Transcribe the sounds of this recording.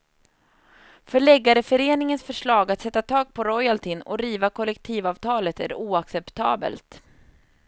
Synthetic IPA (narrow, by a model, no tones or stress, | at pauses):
fœɭɛɡːaɾəfœɾeːnɪŋənsfœʂɭɑːɡat̪sɛt̪ːat̪ʰɑːɡ̚pʰɔɾɔjalt̪ʰɪnɔ̰ɾiːvakʰɔlɛkt̪ʰiːvɑːvt̪ʰɑːlət̪æ̰ɾɛ̰uːaksɛpt̪ʰɑ̰ːbə̰lt̪